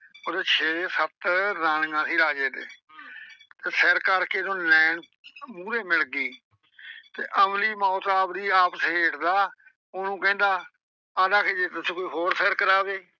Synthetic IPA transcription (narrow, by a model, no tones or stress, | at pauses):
od̪eːt͡ʃʰeːsət̪ɾaːnŋãːsĩːɾaːd͡ʒeːd̪eː | t̪eːsɛːɾkəɾkeːd̪õːnɛːn | muːɾeːmɪlɡiː | t̪eːʔəmliːmaːoːt̪aːpd̪iːaːpəsɦeːʈd̪aː | onũːkɛ̃ːnd̪aː | aːdaːkʰeːd͡ʒeːt̪ʊsːkoːiːɦoːɾsɛːɾkəɾaːʋeː